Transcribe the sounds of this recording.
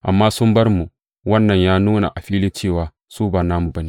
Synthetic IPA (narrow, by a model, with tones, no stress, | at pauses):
ʔa˨mːaː˦sʊ˦mbɐ˦ɾmu˨ | wɐ˦nːɐ˨ɲjaː˦nuː˦na̰˨ʔa˨ɸiː˦liː˦t͡ʃeː˦˨waː˨ | suː˦ba˨naː˦mu˨bɐ˦ni˨